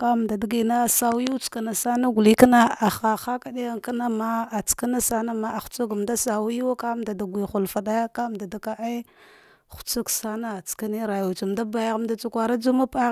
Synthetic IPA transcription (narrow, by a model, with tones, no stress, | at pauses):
ka˦m˨da˨da˨ɡi˨na˦sa˨wu˦t͡ska˨na˨sa˦na˦ɡu˨li˦ka˦na˦a˨xa˨xa˦ka˦˨ɗe˦a˦˨ŋka˦na˦ma˦a˨t͡ska˦na˦sa˦na˦ma˦a˨xu̥˨t͡su˦ɡmda˦sa˨wi˦wa˦ka˦mda˨da˨ɡʷi˨xu˨lfa˨ɗa˦ja˦ka˦mda˨da˨ka˦ʔa˦ | xu̥˨t͡su˦ksa˦na˦˨t͡ska˦ne˦ɾa˨ju˨t͡su˨mda˦ba˨ja˨ɣm˦da˦t͡su˦kʷa˨ɾa˦d͡ʒu˦ma˦pa˦